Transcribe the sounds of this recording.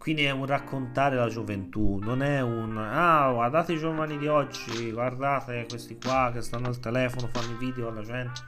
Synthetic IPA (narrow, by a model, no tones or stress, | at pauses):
kwind̪iɛunrakʰːont̪aːɾelad͡ʒovent̪unːonɛunaward̪aːt̪eid͡ʒovanid̪iɔd͡ʒːiɡward̪aːt̪ekwest̪ikwak̟ːest̪anːoalt̪elɛːfonofanːoviːd̪eoalːad͡ʒɛnt̪e̥